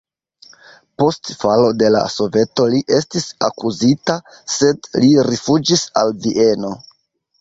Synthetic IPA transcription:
po̞stfalo̞de̞la̰so̞ve̞to̞liʔe̞stisa̰kuzita | se̞dliɾifud͡ʒisa̰lviʔe̞no̞

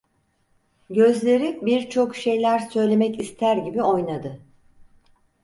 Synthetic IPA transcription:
ɟø̞zlʲe̞ɾibiɾt͡ʃʰo̞kʃe̞jlʲæɾsø̞jlʲe̞mɛcist̪ʰæɾɟibio̞jnad̪ɯ

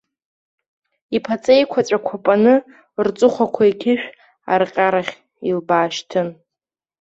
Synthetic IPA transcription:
ipʰat͡sʼejkʷʰat͡ʃʷʼakʷʰapʼanɨ | rt͡sʼʊχʷakʷʰaikʲʰɪʃᶣ | a̰rqʲʼaɾaχʲ | ilbaːʃtʰɨn

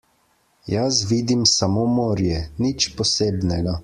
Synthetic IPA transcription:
jas̬ʋiːd̪imsamoːmoːɾjɛnit͡ʃpɔseːbnɛɡa

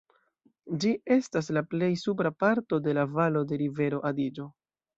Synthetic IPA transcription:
d͡ʒie̞stas̬laple̞jsup̬ɾapaɾto̞de̞lavalo̞de̞ɾive̞ɾo̞ʔadid͡ʒo̞

